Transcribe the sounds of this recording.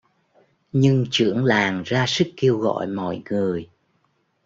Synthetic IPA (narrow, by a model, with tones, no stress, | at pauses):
ɲɨ˧ŋt͡ɕɨ̰˧˩əŋlaː˨˩ŋzaː˧sɨ˦˥kːe˧əwɣɔ̰˧˨jmɔ̰˧˨jŋɨ˨˩əj